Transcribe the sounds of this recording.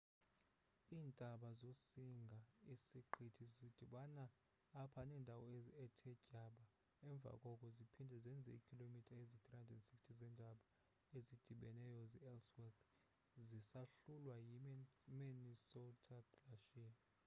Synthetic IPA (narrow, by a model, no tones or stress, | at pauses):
iːndʼʱaɓazosiŋɡʱaisiǃʰitʰizid̥ʱiɓanaː | pʰanɛːndʱawɔɛtʰɛcʼaɓa | ɛɱb̪vʱa̰kʼɔkʼɔzipʰindʱɛzɛnd͡zʱɛ̰ikʰilomitʰaezit̪ʰʼrihandɛdnsi̥kstʰizɛndʱaɓa | ezid̥ʱiɓɛnɛjɔziɛlswɛkʰ | zisaɬulwajiminisɔltʰʼaɡlaʃiːn